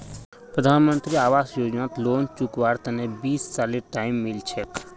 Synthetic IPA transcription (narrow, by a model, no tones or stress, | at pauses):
pɾəd̪ʱaːnmənt̪ɾiaːʋaːsjoːd͡ʒnaːt̪loːnt͡ʃukʋaɾt̪ənebiːst͡ʃaːliʈaːɪmːilt͡ʃʰek